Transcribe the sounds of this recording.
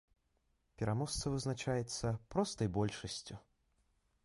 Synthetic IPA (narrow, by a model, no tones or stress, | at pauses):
pʲɛɾamɔst̪sɐvɨznat͡ʂajɛt̪sːɐpɾɔst̪ɐjbɔlʲʂɐsʲt͡sʲu